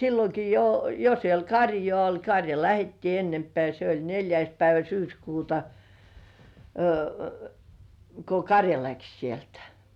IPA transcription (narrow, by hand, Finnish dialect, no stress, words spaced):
silːoki jo jo siel kɑrjŏɑˑ olʲ kɑrjɑ læhetːiː enːempĕæˑ se olʲ nelʲjæis pæiʋæ syːskuːtɑ ko kɑrjɑ læks sieltæ̥